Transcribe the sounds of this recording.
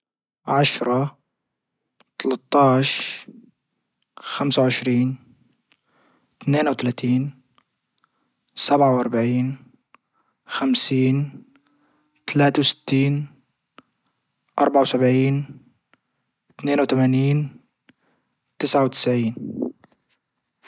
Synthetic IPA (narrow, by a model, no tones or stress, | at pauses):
ʕaʃɾˤɑ | t̪ɑlɑt̪ˤːɑːʃ | xamsawʕɪʃɾiːn | t̪neːnawt̪alaːt̪iːn | sabʕawʔɑɾˤbaʕiːn | xamsiːn | t̪alaːt̪awsɪ̥t̪ːiːn | ʔɑ̰ɾˤbaʕawsabʕiːn | t̪neːnwt̪amaːniːn | t̪ɪsʕawt̪ɪ̥sʕiːn